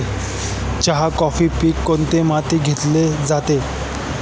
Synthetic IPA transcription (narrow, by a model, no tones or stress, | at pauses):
t͡ɕaɦakɔfiːpiːkːont̪emat̪iːɡʱet̪led͡zat̪e